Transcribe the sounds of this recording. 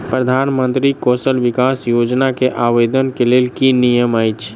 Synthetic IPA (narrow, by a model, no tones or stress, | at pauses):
pɾəd̪ʱanmənt̪ɾikɔsəlʋikasjod͡ʒnakeʔaʋed̪ənkelelkinijəməjt͡ʃʰ